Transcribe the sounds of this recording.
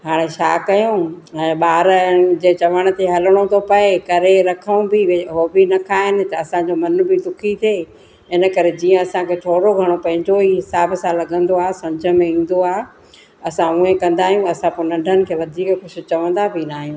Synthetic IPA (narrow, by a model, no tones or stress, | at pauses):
ɦaːɽ̃et͡ɕʰaːkɐjõɛ̃ːɓaːɾəd͡ʑeːt͡ɕɐʋəɽ̃ə̆t̪ʰeɦɐləɽ̃ot̪ʰopɐekɐɾeɾɐkʰə̃ũbɪɦoːbinɐkʰaːɦɪnɪ̆t̪ɐːsãɲd͡ʑomɐn̆bʱɪd̪ʊkʰit̪ʰeː | ɪnə̆kɐɾed͡ʑiːə̃ɐsãkʰeːt̪ʰoːɽoɡʱɐɽ̃opɐ̃ɦɪ̃ɲd͡ʑoiɦɪsaːbsãːlːɐɠə̃nd̪oaːɦesɐ̃md͡ʑʱə̆mẽĩːn̆d̪oaːɦ | ɐsãũẽkɐ̃nd̪aːɦijũɐsãpʊɾnɐ̃ɳɖʱənɪ̆kʰeːʋɐd̪ʱiːkxʊʃʊ̆t͡ɕɐʋə̃nd̪abʱinaːɦijũː